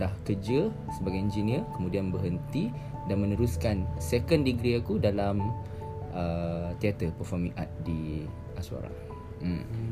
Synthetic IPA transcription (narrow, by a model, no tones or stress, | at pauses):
dahkəd͡ʒə | səbaɡajind͡ʒiniəkəmudianbəɦənt̪i | danmə̃nəɾuskansekəndiɡɾiakudalam | ət̪iat̪əpərfɔrmĩʔa̰t̪̚di | ʔasua̰ɾa̰ŋ | m̩